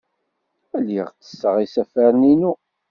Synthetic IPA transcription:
æləʁt͡sːə̥sːəʁisæfæɾninu

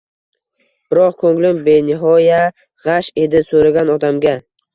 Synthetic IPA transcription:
b̥ɪɾɒq̚kʰɵŋlɪmbenɪɦɒja | ʁaʃe̞d̪ɪsoɾaɡʲanɒd̪amɡʲa

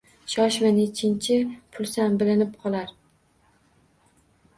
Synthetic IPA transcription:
ʃɒʃvanet͡ʃʰɪnt͡ʃʰɪpʰʊlˠsanbɪlɪnɪp̚qʰɒlˠaɾ

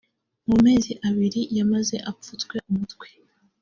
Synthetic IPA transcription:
mume̞ːziʔaβiɾijamaze̞ʔap͡futkwe̞ʔumutkwe

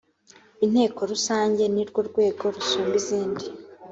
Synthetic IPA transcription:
in̥he̞ːko̞ɾusaːɲɟe̞niɾɡwo̞ɾɡwe̞ːɡo̞ɾusuːmbiziːndi

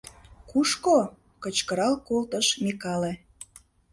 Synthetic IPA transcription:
kuʃko | kət͡ɕkəɾɑlkolt̪əʃmekɑle

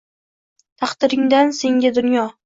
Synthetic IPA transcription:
t̪ʰɑχd̪ɪɾɪŋd̪anse̞ŋɡʲad̪ʊnjɒ

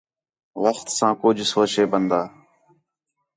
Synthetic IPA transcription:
ʋəxt̪sãːkʊd͡ʒʱsoːt͡ʃeːbənd̪aː

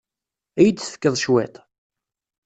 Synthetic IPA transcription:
æjəd̪θə̥kːəðˤʃwæt̪

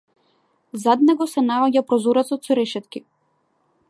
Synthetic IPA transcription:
zad̪nɛɡɔsɛnaɔɟapɾɔzɔɾɛt̪sɔt̪sɔɾɛʃɛt̪ki

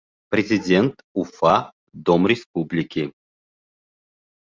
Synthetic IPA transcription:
prʲɪzʲɪdʲent̪ | ufa | d̪omrʲɪspublʲɪkʲi

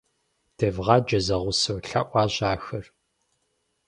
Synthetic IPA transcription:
d̥ʰɐvʁɑːd͡ʒɐzɐʁʷʊsɐwɬɐ̰ʔʷɑːʑaːxɐr

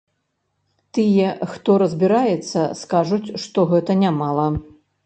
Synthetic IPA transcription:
t̪ɨjɛxt̪ɔɾɐzʲbʲiɾajɛt̪sːɐ̰skaʐut͡sʲʂt̪ɔɣɛt̪ɐnʲamalˠɐ

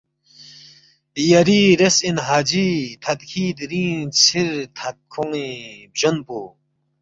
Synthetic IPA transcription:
d̪ijaɾiːɾesinɦaːd͡ʑit̪ʰɐd̪kʰiːd̪ɾĩːnt͡sʰiɾt̪ʰat̪̚kʰuŋĩbd͡ʑonpu

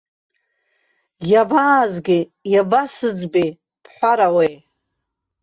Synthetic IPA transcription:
jabaːzɡʲɪjabasɨd͡zbe | pʰħʷaɾawej

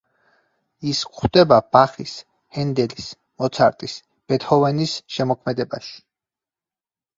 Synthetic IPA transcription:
iskχd̪ɛbabaχis | hɛnd̪ɛlis | mɔt̪sʰaɾt̪ʼis | b̥ɛt̪ʰhɔvɛnisʃɛmɔkʰmɛd̪ɛbaʃi̥

